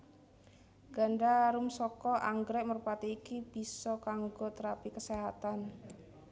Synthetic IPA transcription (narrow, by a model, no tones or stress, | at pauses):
ɡ̥anɖaɾumsɔkɔʔaŋɡɾɛk̚məɾupat̪iːkib̥i̤sɔkaŋɡot̪əɾapikəseɦat̪an